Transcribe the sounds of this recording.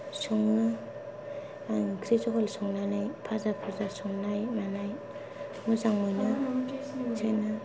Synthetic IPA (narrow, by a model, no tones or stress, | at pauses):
sɔŋna | ɡɾizɔɦɔlsɔŋnanajpʰazapʰuzasɔŋnajmanaj | muzaŋɔjna | zʰajna